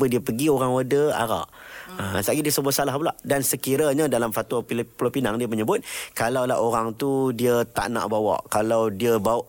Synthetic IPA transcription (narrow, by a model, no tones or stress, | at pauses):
ədiəpəɡioɾaŋədəa̰ɾa̰ʔəsaɡidiəsəbʊt̪salahpula̰ʔdansəkiɾəɲadalamfat̪waiplopinaŋdiəməɲəbʊt̪̚kalawla̰ʔoɾaŋt̪udiət̪a̰ʔna̰ʔbawa̰ʔkalawdiəbaʔ